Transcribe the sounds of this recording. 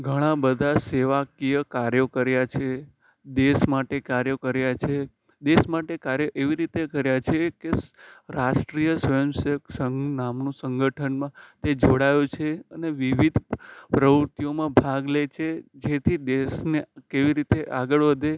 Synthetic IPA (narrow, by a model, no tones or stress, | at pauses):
ɡʱəɽ̃ãbəd̪ʱaseʋakijəkaɾjokəɾjat͡ʃʰe | d̪eʃmaʈekaɾjəkəɾjat͡ʃʰe | d̪esmaʈekaɾjəʔeʋiɾit̪ekəɾjat͡ʃʰekeɾaʃʈɾijəsʋəjəmsəksəŋnamnũsəŋɡʱəʈʰənmãt̪ed͡ʒoɽajũt͡ʃʰeəneʋiʋid̪ʱpɾəʋəɾt̪ijomãbʱaɡlet͡ʃʰed͡ʒet̪ʰid̪esnekeʋiɾit̪eʔaɡəɭʋəd̪e